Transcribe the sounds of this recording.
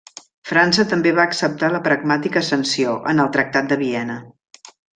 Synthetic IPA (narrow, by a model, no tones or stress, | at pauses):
fɾansət̪əmbeβaəksəp̚t̪aləpɾəɡ̚mat̪ikəːsənsioʔə̰nəlˠt̪ɾək̚t̪at̪̚d̪əβiɛnə